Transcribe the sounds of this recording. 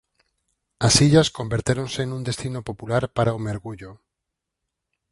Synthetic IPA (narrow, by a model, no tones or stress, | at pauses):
asiʎaskombeɾt̪eɾonsenũnd̪est̪inopopulaɾpaɾaomeɾɣuʎo